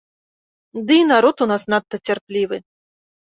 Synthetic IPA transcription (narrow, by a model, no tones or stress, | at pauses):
d̪ɨinaɾɔt̪unasnat̪ːɐt͡sʲarplʲiʋɨ